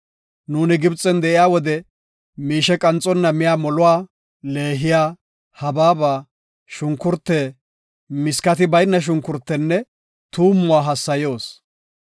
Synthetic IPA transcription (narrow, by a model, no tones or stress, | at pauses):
nuːnɪɡɪbt͡sʼːɛnd̪ɛʔɪjaːwɔd̪ɛ | miːʃɛkʼɐnt͡sʼːɔnːɐmɪjaːmɔlʊwaː | le̞ːɦɪjaː | hɐbaːbaː | ʃʊŋkːʊɾt̪ːeː | mɪskɐt̪ɪbɐjnːɐʃ̬ʊŋkːʊɾt̪ːɛnːɛ | t̪uːmːʊwaːɦɐsːɐjo̞ːs